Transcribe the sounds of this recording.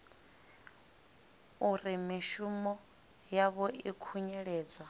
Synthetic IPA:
uɾimiʃumɔ | jaβɔikʰuɲɛɺɛːd͡zwa

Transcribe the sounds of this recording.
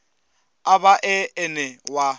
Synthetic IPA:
abaʔɪɪnɛwa

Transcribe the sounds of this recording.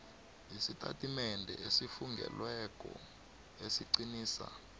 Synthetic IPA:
isitʰʼatʼimɛndʱɛesifuŋɡɛ̰lwɛk̬ʼɔ | esiǀiniːsa̰

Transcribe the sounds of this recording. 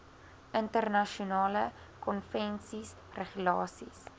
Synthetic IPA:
əntərnɐʃunɑːlə | kɔnfɛnsis | rəχulɑːsis

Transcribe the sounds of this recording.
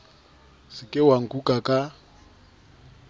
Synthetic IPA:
sɪkʼɪwaŋ̩kukʼakʼa

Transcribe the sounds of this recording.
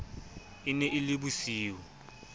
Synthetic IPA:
ɪnɛʔɪlɪbusiːwɔ

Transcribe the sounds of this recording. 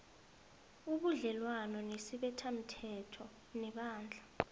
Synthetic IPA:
uɓuɮɛlwanɔnesiɓɛtʰam̩tʰɛtʰɔ | nɛɓaːnd͡ɮʱa

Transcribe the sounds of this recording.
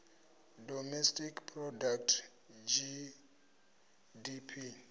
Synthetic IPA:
dɔmɛstikpʰrɔdak̚tʰ | d͡ʒi | dipʰi

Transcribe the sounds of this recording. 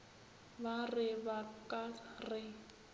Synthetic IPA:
barɪbakʼarɪ

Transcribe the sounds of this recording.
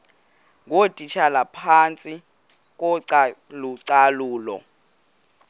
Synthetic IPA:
ŋotʼit͡ʃʰalapʰant͡sʼi | k̬ʼɔǀaluǀaluːlɔ̰

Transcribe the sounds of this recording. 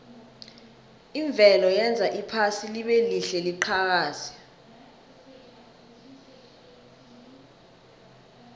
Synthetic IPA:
iɱb̪vʱɛlɔjɛnd͡zʱaʔipʰasiliɓeliɬɛliǃʰak̬aːzɛ̥

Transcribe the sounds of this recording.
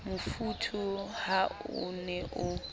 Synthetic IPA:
mufutʰuhaṵnɛʔʊ

